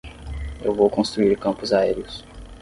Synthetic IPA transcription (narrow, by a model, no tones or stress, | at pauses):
ewvowkõst̪ɾuiɾkɐ̃mpʊzaɛɾiʊs